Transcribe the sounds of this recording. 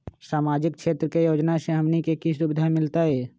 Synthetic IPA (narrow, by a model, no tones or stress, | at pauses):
saːmaːd͡ʒɪk̚kʃeːt̪ɾəkejoːd͡ʒnaseɦɐmnikekisʊbɪd̪ʱamɪlt̪aɦɛː